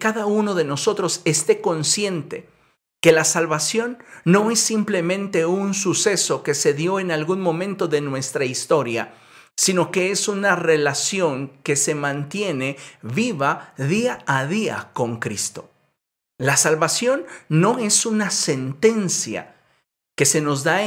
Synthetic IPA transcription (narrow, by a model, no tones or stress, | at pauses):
kaðauno̞ðe̞no̞so̞t̪ɾo̞se̞st̪e̞ko̞nsje̞nt̪e̞ | ke̞lasalβasjo̞nːo̞e̞sːimple̞mẽ̞nt̪e̞unsuse̞so̞ke̞se̞ðjo̞e̞nalɣunmõ̞mẽ̞nt̪o̞ðe̞nwe̞st̪ɾaist̪o̞ɾja̰ | sino̞ke̞esunare̞lasjo̞ŋke̞se̞mãnt̪je̞ne̞βiβaðiaːðia̰ko̞ŋkɾist̪o̞̥ | lasalβasjo̞nːo̞e̞sunase̞nt̪e̞nsja̰ | ke̞se̞no̞zd̪a